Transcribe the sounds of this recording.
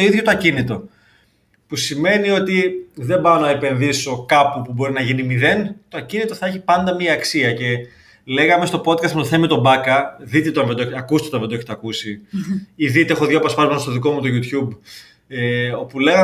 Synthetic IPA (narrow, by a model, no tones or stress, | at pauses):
oiðʝo̞t̪ɐcinit̪o̞ | pusime̞nio̞t̪iðe̞mbɐnɐepe̞nðiso̞kɐpupubo̞ɾinɐʝinimiðe̞nt̪oɐcinit̪o̞θɐeçipɐnd̪ɐmiɐːksiɐce̞ | le̞ɣɐme̞st̪o̞po̞t̪̚kɐst̪met̪oθemit̪o̞bɐkɐðit̪et̪oɐnved̪oeçeɐkust̪eot̪ɐnðed̪oeçet̪ɐkusi | iðit̪eexo̞ðjoɐpɐspɐzmɐnɐst̪oðiko̞mut̪oʝut̪çub | eo̞pule̞ɣɐ